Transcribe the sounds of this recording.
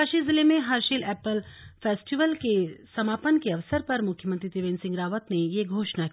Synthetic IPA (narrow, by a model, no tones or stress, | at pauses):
aʃizɪlemẽɦɐɾʃiːlɛːpəlfʰeːsʈiʋəlkesɐmaːpənkeɐʋsəɾpɐɾmʊkʰjəmə̃nt̪ɾit̪iʋeːnsɪ̃ŋɡɾaːʋət̪nejeɡʱoːʃna